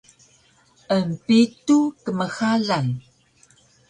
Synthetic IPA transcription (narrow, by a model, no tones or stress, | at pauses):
ʔəmpitukəməxaɮan